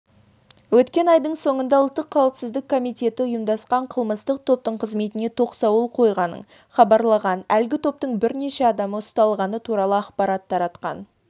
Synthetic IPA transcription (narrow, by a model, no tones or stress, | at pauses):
wɵt̪kʲe̞nɑjd̪əɴso̞ɴənd̪ɑʊlˠt̪ːəqʰːɑwəpsɪzd̪ɪkʰːo̞mijt̪e̞t̪ɪʊjəmd̪ɑsqɑɴqʰəlˠməst̪əq̚t̪ʰo̞p̚t̪əɴqʰəzme̞t̪ɪne̞t̪ʰo̞qsɑwəlˠqʰo̞jʁɑnə̰ɴ | χɑbɑɾlˠɑʁɑnælɡʲɪt̪ʰo̞p̚t̪əɴbɪɾne̞ʃeɑd̪ɑməʊst̪ɑlˠʁɑnət̪ʰuɾɑlˠəɑqpɑɾɑt̪ʰːɑɾɑt̪qɑ̰n